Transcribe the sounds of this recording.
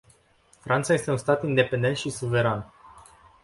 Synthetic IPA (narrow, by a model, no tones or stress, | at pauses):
fɾʔant̪saje̞st̪e̞unst̪at̪ind̪e̞pend̪e̞nt̪ʃisuve̞ɾan